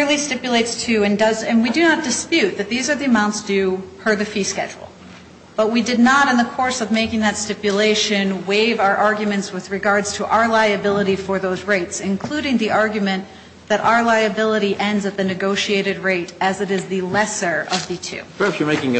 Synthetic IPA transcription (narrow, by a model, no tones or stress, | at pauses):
ɹlˠistɪpjleɪtstʰʉɨ̃ndʌzɨ̃nwidɨnət̚d̥ɨspjʉt̪̚ðɨt̪̚ðizə˞ðiɨmãʊ̃ntsd̥ɨpʰə˞ðɨfiskɛ̰d͡ʒl̩ˠ | b̥ʌt̚widɨdⁿnəɾɨ̃nðəkʰɔɹsʌvmeɪkɪ̃ŋðɨtstɪpjɨleɪʃɨ̃nweɪvaʊə˞ʔɑɹɡjɨmɨ̃ntswɨðɹɨɡɑɹdz̥tʰəʔa̰ʊə˞laɪɨbɪlˠəɾifə˞ðoʊzɹeɪtsɨ̃nkʰl̥uɾɪ̃ŋðiʔɑɹɡjɨmɨ̃n | ðɨɾʔa̰ʊə˞laɪɨbɪlˠəɾiʔɛ̃ndzɨt̪̚ðɨnɨɡoʊʃieɪɾɨd̚ɹeɪɾɨzɨɾɨzðɨlɛsə˞ʔʌvðɨtʰʉ̰pʰə˞hæpsjə˞meɪkɪ̃ŋ